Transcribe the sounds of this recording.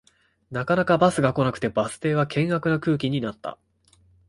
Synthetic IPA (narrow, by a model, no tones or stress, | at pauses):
nakanakabasɨɡako̞nakɯ̟̥t̪e̞basɨ̥t̪e̞ːβakʰẽ̞ŋ̃ɡakɯ̟nakɯ̟ːkʲiɲ̟inat̪ːa̰